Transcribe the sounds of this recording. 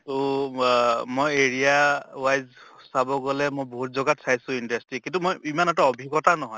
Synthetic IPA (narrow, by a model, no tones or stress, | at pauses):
tu | mojeɹijawajzsabɔɡɔlɛmojbɔɦut̚zɔɡatsʰajsʊ̃indastɹikĩntumojimanataɔbʱikɔtanɔɦɔj